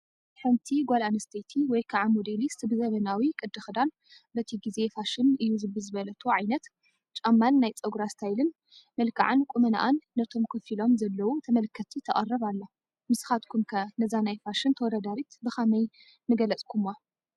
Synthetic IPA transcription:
ħɨnt̪ʰiɡʷalanɐst̪ʰɐjt̪ʰiwɔjkʰaʕamod̪elisɨbɨzɐmɐnawikʼɨd̪ːɨxd̪an | bɐt̪ʰiɡize̞faʃɪnɨjuzɨbɨzɨβɐlɐt̪ʰuʕajnɐt̪ | t͡ʃʼamːanːajt͡sʼɐɡuɾast̪ʰajlɨn | mɐlkʰa̰ʕankʼumɐna̰ʔanːɐt̪ʰo̞mkʰɨfilo̞mzɐlːɐwut̪ʰɐmɐlkʰːɐt̪ʰːit̪ʰɐχʼɐ̰rːɐβalːo | mɨsɨ̥xat̪kʰumkʰɐnɐzanajfaʃɨnt̪ʰɐwɔd̪ad̪aɾit̪bɨxamɐj | mɨɡɐlɐt͡sʼkʰumːa

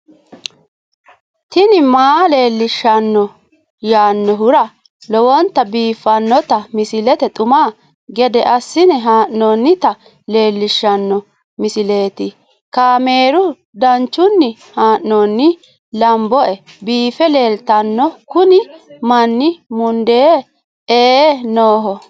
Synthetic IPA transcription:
t̪ɪnɪmaːle̞ːlːɪʃːɐnːɔ | jaːnːɔɦʊɾɐ | lɔwɔnt̪ːɐbiːfːɐnːɔt̪ɐmɪsɪlɛt̪ɛt̪ʼʊmaː | ɡɛd̪ɛʔɐsːɪnɛɦaːʔːoːnːɪt̪ɐ | le̞ːlːɪʃːɐnːɔ | mɪsɪle̞ːt̪ɪ | kaːme̞ːɾʊ | d̪ɐnt͡ʃːʊnːɪ | haːʔnoːnːɪ | lɐmbɔʔɛ | biːfɛle̞ːlt̪ɐnːɔkʊnɪmɐnːɪmʊnd̪eː | eːnoːɦɔ

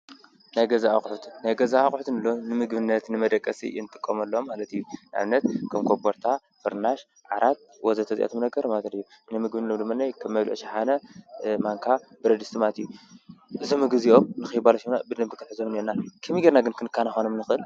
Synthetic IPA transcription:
najɡɐzaʔaxʼħut̪ʰnajɡɐzaaxʼħut̪nɨlːonɨmɨɡbɨnːɐt̪nɨmɐd̪ɐkʼːɐsḭnɨt̪ʼɨkʼːɐmɐlːoomːalɐt̪ijːunʔa̰βnɐt̪kʰɐmkʰoboɾt̪ʰa | fɨɾnaʃ | ʕaɾʔat̪̚ | wɔzɐt̪ʰɐzḭʔḛt̪ʰomnɐɡɐɾmat̪ɐd̪ɨijːu | nimɨɡbɨnɨlːomd̪ɨmːanajkʰɐmːɐβlʔʃaħanɐmaŋkʰa | b̥ɨɾɐd̪ɨst̪ɨmalɐt̪ijːuʔɨzomːɨɡɨziʔo̞mnɨxɨjbalɐʃimna̰bɨd̪ɨmbɨk̪ʰɨ̥ħɨzomneɾnakʰɨmiɡeɾnaɡɨnkʰɨnɨkʰːanaxonomnɨxɨɨl

